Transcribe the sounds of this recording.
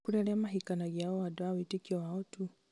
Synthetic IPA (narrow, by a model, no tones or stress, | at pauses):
kuɾɛɾɛamaɦikanaɡiaɔwadɔawitikiɔwaɔtu